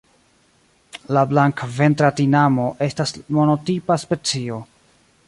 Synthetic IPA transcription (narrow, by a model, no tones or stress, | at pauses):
lablaŋkve̞ntɾatinamo̞ʔe̞stasmo̞no̞tipaspe̞t͡sio̞